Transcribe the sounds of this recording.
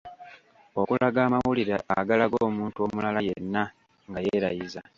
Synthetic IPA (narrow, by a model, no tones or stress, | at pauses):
o̞kulaɡaːmawuliɾa̰ːɡalaɡoːmuːntuo̞ːmulalajenːa | ŋɡajeɾajiza